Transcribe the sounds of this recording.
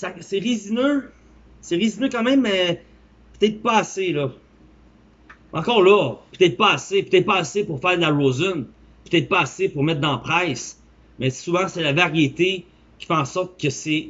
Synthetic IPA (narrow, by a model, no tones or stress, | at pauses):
sasɛʁizinø | sɛʁizinøkɑ̃ːmɛ̃mːɛ | pə̥t̪ɛt̪̚χpaaselɔ | ɑ̃kɔːʁlɔpət̪ɛt̪̚χpɔːsepøt̪ɛt̪̚pɑːsepuʁfɛːʁd̪laʁozɔn | pøt̪ɛt̪̚paːsepuʁmɛt̪̚χd̪ɑ̃pχɛɪs | mɛsuvãsɛlavaʁjet̪e | kʲi̥fɛɑ̃sɔʁt̪̚kʲəsɛ